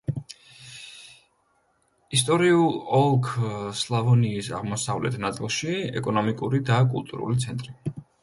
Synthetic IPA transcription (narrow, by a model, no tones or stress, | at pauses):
ist̪ʼɔɾiulˠɔlˠkʰslˠavɔniːsa̰ʁmɔsavlɛ̰t̪ʰnat̪sʼilˠʃiɛ̰kʼɔnɔmikʼuɾid̪akʼṵlˠt̪ʼṵɾṵlit̪sʰɛnt̪ʼɾi